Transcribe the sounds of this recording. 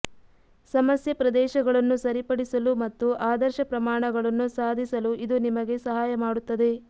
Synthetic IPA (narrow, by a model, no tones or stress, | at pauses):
sɐmɐsjɐpɾɐd̪ɛːʃɐɡɐɭɐnːusɐɾipɐɽisɐlumɐt̪ːuaːd̪ɐɾʃɐpɾɐmaːɳɐɡɐɭɐnːusaːd̪ʱisɐluʔid̪unimɐɡe̞sɐɦaːjɐmaːɽut̪ːɐd̪e̞